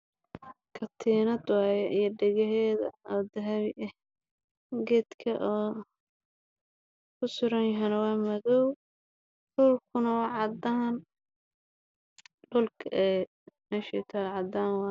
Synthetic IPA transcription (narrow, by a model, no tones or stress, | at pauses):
kʰɐt̪ʰiːnɐd̪wɑːjɛʔijɐɖɛɣɐɦɛːðɐ̰ɔːd̪ɐɦɐβɪʔɛh | ɡɛːd̪kʰɐʔɔː | kʰʊsʊɾɐnjɐɦɛnɐwɑːmɐðɔw | ɖʊlkʰʊnɐwɑːʕɑd̪ɐn | ɖʊlkʰʔɛː | mɛːʃɛ̰t̪ʰalʕɑd̪aːnwɑː